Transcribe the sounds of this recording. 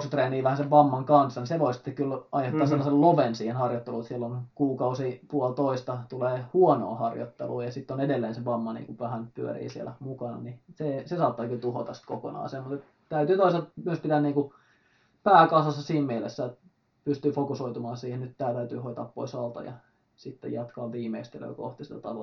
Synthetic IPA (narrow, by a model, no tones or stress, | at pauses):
ksut̪reːniːʋæhæseʋʋɑmːɑŋkɑnsːɑniseʋoisit̪ːekkylɑihet̪ːɑːselːɑselloʋensiːhenhɑrjot̪ːeluːt̪sielːonkuːkɑusipuɔlt̪oist̪ɑt̪uleːhuɔno̰ːhɑrjo̰t̪ːḛlṵːjɑsit̪ːonedelːeːnseʋɑmːɑnḭːŋkuʋæhænpyø̰rḭːsiḛlæmukɑnɑ̰nisesesɑːt̪ːɑːkylt̪uho̰t̪ɑsi̥t̪koko̰nɑ̰ːseːmmut̪et̪ | t̪æyt̪yːt̪oisɑmyøspit̪æniːŋku | pæːkɑusɑsːɑsiːmmielesːæːt̪ | pyst̪yːfokusoit̪umɑːnsiːhennyt̪t̪æːt̪æyt̪yːhoit̪ɑ̰ːppo̰isɑlt̪ɑ̰jɑ̰ | sit̪ːḛjɑt̪kɑːʋiːmeist̪elø̰ːko̰ht̪isi̥t̪æt̪ɑlo̰